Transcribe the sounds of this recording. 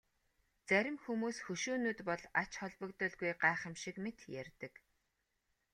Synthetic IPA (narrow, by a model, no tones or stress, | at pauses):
t͡sæɾʲɪ̆mxumuːsxɵʃuːnuːt̪pɔɮat͡ɕχɔɮpɞ̆kt̪ɞ̆ɮɡujɢaːχə̆mʃĭkmet̪jærʲt̪ɘ̆k